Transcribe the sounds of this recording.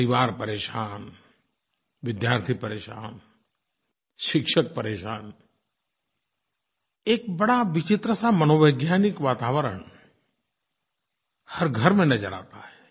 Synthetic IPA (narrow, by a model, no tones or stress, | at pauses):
pɾiʋaːɾpəɾeːʃaːn | ʋɪd̪jaːɾt̪ʰipəɾeːʃa̰ːn | ʃɪkʃʰək̚pəɾeːʃaːn | eːk̚bɐɽaʋɪt͡ʃɪt̪ɾəsamənoːʋəjɡjaːnɪkʋaːt̪aːʋəɾə̰ɳ | həɾɡʱəɾmẽnɐd͡ʒəɽa̰ːt̪a̰ɦɛ